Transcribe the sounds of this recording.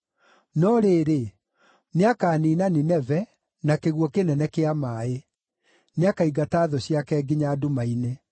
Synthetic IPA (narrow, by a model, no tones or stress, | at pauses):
nɔɾeɾe | neakaːniːnaninɛvɛ | nakeɣwɔkenɛnɛkeamae | neakaiɡataːðɔɕjakɛɡiɲaːdomaine